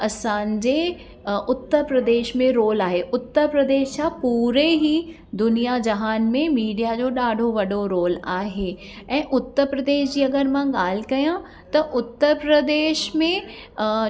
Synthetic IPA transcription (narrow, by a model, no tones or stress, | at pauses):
ɐsãːɲd͡ʑe | ʊt̪ːəɾpɾɐd̪eːʃmẽɾoːlaːɦeʔʊt̪ːəɾpɾɐd̪eːʃt͡ɕapuːɾeɦi | d̪ʊnijad͡ʑɐɦaːnmẽmiːɖijad͡ʑoːɗaːɖʱoʋɐɖoɾoːlaːɦe | ɛ̃ːʔʊt̪ːəɾpɾɐd̪eːʃd͡ʑiːɐɡəɾmãɠaːl̤kɐjã | t̪ɐʔʊt̪ːəɾpɾəd̪eːʃmẽ